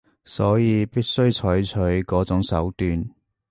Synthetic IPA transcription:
sɔː˨˥jiː˨˧piː˥t̚sɵ˥ɥt͡ʃʰɔː˨˥jt͡ʃʰɵ˨˥ɥkɔː˨˥t͡sʊ˨˥ŋsɐ̰˨˥wt̪yː˧n

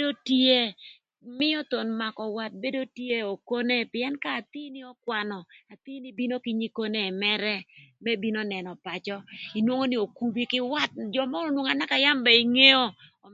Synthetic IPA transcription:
do˦te˦ | mɪ˦ɔ˦t̪o˨nma˨kɔ˨wa˦t̚be˦do˦tje˦o˨ko˦ne˦pɪ˨ɛ˦nkaː˦˨t̪i˦nɪ˦ɔ˦kwa˨nɔ˨a˨t̪i˦nɪ˦bi˦no˦ki˦ɲi˦ko˦ne˦˨mɛ˦ɾɛ˦mɛ˦bi˦no˦nɛ˨nɔ˨pa˨t͡ʃɔ˦i˨nwo˦ŋo˦nɪ˦o˨ku˨bi˦kɪ˦wa˦t̚d͡ʒɔ˨mɔ˦o˦nwo˨ŋa˨na˦ka˨ja˦mba˨i˨ŋe˦o˦˨

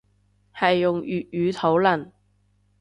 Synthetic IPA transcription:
hɐ˨jːʊ˨ŋjyː˨t̚jyː˨˧t̪ʰo˨˥wlɐ˨˩n

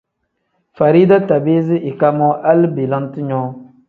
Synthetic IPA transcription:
fa˨ɾiː˦da˦ta˨be˦zɪ˦ʔi˨ka˦mɔ˦ʔa˦lbe˨la˦n˦tɨ˦ɲɔː˦

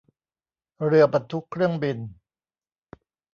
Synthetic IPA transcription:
ɾɯ˧˩ɐpa˨˩t̪ʰːu˦˥kʰːɾɯ˥˩əŋbi˧n

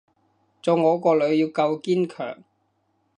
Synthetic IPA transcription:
t͡sɔː˨˧wŋɔː˨˧kɔː˧lɵ˨˧˥ɥjiː˨˧wkɐ˧wkiː˥nkʰœ̰ː˨˩ŋ

